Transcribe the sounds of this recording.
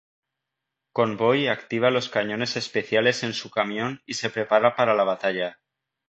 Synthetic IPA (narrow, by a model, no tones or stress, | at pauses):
ko̞mbo̞jakt̪iβ̞alo̞skaɲõ̞ne̞se̞spe̞θjale̞se̞nsukamjõ̞nise̞pɾe̞paɾapaɾalaβ̞at̪aʎa